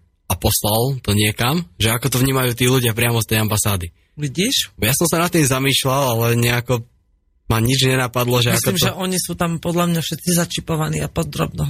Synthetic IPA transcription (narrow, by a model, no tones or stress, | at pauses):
apɔslalˠt̪ɔɲɪɛkamʒɛakɔt̪ɔvɲiːmajuːt̪iːluɟɪapɾɪamɔst̪ɛjambasaːd̪i | ʋiɟiːʃjasɔmsanat̪ːiːmzamiːʃlalalɛɲɛakɔ | maɲid͡ʒɲɛnapad̪lɔʒɛmiaskɔimʒɛʔɔɲisuːt̪ampɔd̪ʎamɲafʃɛt̪̚t͡sizat͡ʃipɔʋaniːapɔd̪ɾɔ̰bnɔ